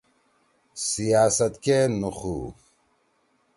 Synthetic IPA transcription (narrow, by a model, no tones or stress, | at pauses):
sijaːsɐt̪kenuχu